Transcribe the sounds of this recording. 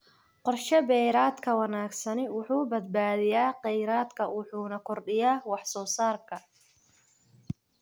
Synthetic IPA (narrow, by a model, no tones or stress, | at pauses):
qɔrʃɐbɛjɾaːd̪kʰɐwɑnaːɡsɐnɪwʊħuːbɐd̪̚baːðɪjaːqɛjɾaːd̪kʰɐwʊħuːnɐkʰɔrɖɪjaːwɑħsɔːsaːrkʰɐ